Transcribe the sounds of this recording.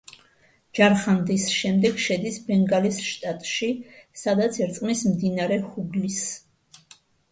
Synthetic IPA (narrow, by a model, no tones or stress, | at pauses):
d͡ʒaɾχand̪isʃɛmd̪ɛɡʃɛd̪isbɛŋɡalisʃt̪ʼat̪ʼʃisad̪at̪sʰɛɾt̪sʼmismd̪inaɾɛhuɡlis